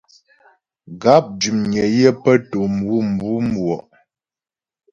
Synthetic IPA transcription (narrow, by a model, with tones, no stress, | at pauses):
ɡa˨˦p̚d͡ʒʉ˨mɲə˨jə˦pə˦to˨m˨bu˦m̩˨bu˦mbwɔ˨ʔ